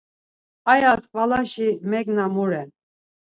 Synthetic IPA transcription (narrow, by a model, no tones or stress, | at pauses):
ajat̪palaʃimɛknamuɾɛn